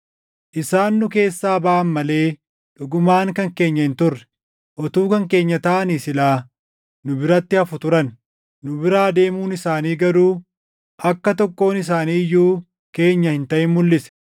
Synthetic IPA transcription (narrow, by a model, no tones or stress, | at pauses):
ʔɪsaːnːʊke̞ːsːaːbɐːʔɐnmɐle̞ː | ᶑʊɡʊmaːŋkɐŋke̞ːɲːɐhɪnt̪ʊrːɛ̥ | ʔɔt̪uːkɐŋke̞ːɲːɐt̪ɐʔɐnisɪlaː | nʊbɪɾɐt̪ːɪɐfʊt̪ʊɾɐnː | ʊbɪɾaːd̪e̞ːmuːnɪsaːniːɡɐɾuː | ʔɐkːɐt̪ɔkːo̞ːnɪs̬aːniːjːuː | ke̞ːɲːɐhɪnt̪ɐʔɪnmʊlːɪsɛ̥